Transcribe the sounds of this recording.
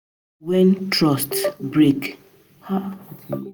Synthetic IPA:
wɛ̃ntɹɔstbɹek

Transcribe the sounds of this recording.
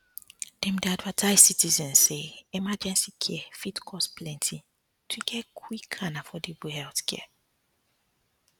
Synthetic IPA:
d̥ɛ̃mdiadvɛtʰaɪzsitizɛ̃nːeimad͡ʒɛ̃nsikʰɛɛfitkʰɔsplɛ̃ntʰi | tʰuɡɛkʰwikʰanafɔdibuhɛltkɛ̰ɛ

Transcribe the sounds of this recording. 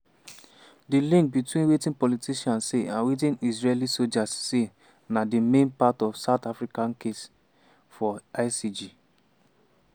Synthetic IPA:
dilĩŋk̚bitwĩnwetĩnpɔlitʰiʃãnseãnwet̬ĩnizɹelisod͡ʒasːe | nadimẽnpatɔfsaʊtafɹikãnkes | fɔaɪsid͡ʒi

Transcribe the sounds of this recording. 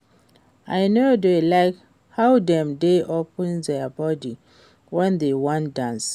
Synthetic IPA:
aɪnodelaɪk | hawdɛ̃mdeʔopə̃ndɛabɔdi | wɛ̃ndewãndãns

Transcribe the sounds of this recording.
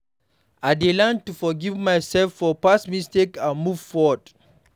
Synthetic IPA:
aɪdelãntufɔɡivmajsɛlfɔpasmistekãnmuv̥fɔd

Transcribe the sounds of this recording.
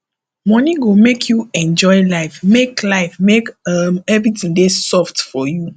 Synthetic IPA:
mɔniɡomekʰjuɛ̃nd͡ʒɔɪlaɪfmeklaɪfmekʌmɛvɹitĩŋdesɔftfɔju

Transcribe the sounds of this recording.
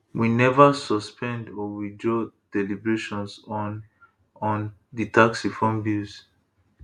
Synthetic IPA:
winɛvasɔspʰɛ̃ndɔwidɹod̥ɛlibɹeʃɔ̃nsn | ɔ̃nditʰaksifɔ̃mbis

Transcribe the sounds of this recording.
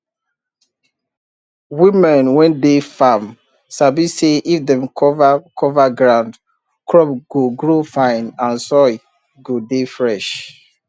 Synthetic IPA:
wimɛ̃nwɛ̃ndefam | sabiseʔifdɛ̃mkʰɔvakʰɔvaɡɹãʊ̃nd | kʰɹɔpɡ̥oɡɹofãɪ̃nãnsɔj | ɡodefɹɛʃ

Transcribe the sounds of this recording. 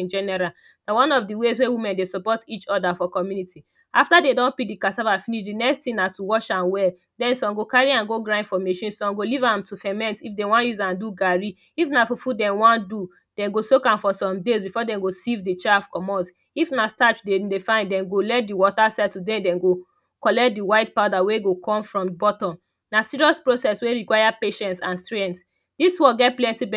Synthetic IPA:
ĩnd͡ʒɛnɛɹal | dawãnɔfdiwezwewimɛ̃ndesɔpɔtit͡ʃɔdafɔkɔmjuniti | aftadedɔ̃npik̚dikasavafiniʃdinɛkstĩnatuwɔʃãnwɛl | dɛ̃nsɔ̃mɡokaɹiãnɡoɡɹãfɔmeʃɔ̃nsɔ̃mɡolivãmtʰufɛmɛ̃ntifdɛ̃wãnjuzãnduɡaɹi | ifnafofudɛ̃nwãndu | d̥ɛ̃nɡosokãmfɔsɔ̃mdezbifɔdɛ̃nɡosivdit͡ʃafkɔmɔt | ifnastat͡ʃdedefãɪ̃nddɛ̃nɡolɛt̚diwɔtasadtudɛ̃ndɛ̃nɡo | kɔlɛt̚diwaɪtpaʊdaweɡokʰɔ̃mfɹɔ̃mbɔtɔ̃m | nasiɹiɔspɹosɛsweɹikwaɪapeʃɛ̃ntsãnstɹɛ̃nt | diswɔɡɛt̚plɛ̃ntibɛ

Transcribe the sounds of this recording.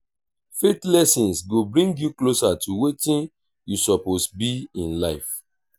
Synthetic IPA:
fetlɛsĩnsɡobɹĩŋɡjuklosatuwetĩn | jusɔposbiĩnlaɪf

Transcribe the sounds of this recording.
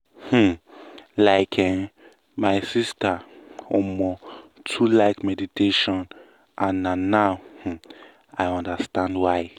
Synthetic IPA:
h̩laɪkʰɛ | maɪsistaɔmɔtʰulaɪkmɛditʰeʃɔ̃n | ʔãnãːaʊh̩ | aɪɔ̃ndastãndwaɪ

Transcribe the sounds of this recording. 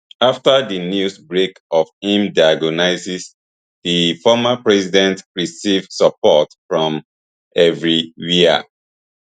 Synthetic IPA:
aftadinjusbɹekɔvĩmdaaɡɔnaɪsis | difɔmapɹɛsidɛ̃ntɹisivdsapɔtfɹɔ̃m | ʔɛvɹijiə̰

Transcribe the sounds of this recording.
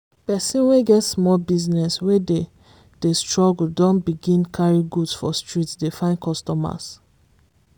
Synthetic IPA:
pɛsĩnweɡɛtsmɔlbiznɛswede | d̥estɹɔɡl̩dɔ̃nbiɡĩnkʰaɹĩɡudsfɔstɹitsdefãɪ̃nkɔstɔma̰s

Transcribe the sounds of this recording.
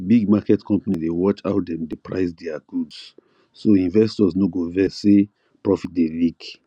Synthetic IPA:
biɡ̚makɛtkʰɔ̃mpanidewɔt͡ʃa̰ʊtdɛ̃mdepʰɹa̰ɪsdɛaɡ̥uds | soĩnvɛstɔsnoɡovɛse | pɹɔfit̚delik

